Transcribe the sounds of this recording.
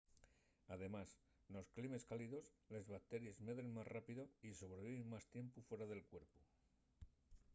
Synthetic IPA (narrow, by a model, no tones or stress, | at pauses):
aðe̞mas | no̞sklime̞skaliðo̞sle̞zβak̚t̪e̞ɾje̞zmeðɾeŋmasrapiðoiso̞β̞ɾe̞βiβeŋmast̪je̞mpufwe̞ɾaðe̞lkwe̞ɾpu